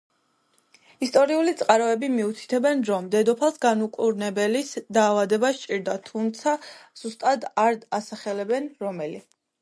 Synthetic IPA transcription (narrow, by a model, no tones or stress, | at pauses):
ist̪ʼɔɾiulit̪sʼqʼaɾɔɛbimiut̪ʰi̥t̪ʰɛbɛnɾɔmd̪ɛd̪ɔpʰalˠsɡanukʼuɾnɛbɛlisd̪aːvad̪ɛbast͡ʃʼiɾd̪at̪ʰumt̪sʰaz̥ust̪ʼad̪aɾasaχɛlɛbɛnɾɔmɛli